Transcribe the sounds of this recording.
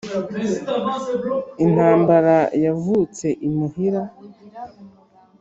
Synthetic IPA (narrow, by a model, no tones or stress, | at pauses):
in̥haːmbaɾajavuːt͡se̞ʔimuhiɾa